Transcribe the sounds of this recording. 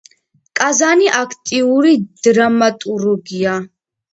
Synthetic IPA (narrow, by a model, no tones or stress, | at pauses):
kʼazaniʔakʰt̪ʼiuɾid̪̥ɾamat̪ʼuɾɡija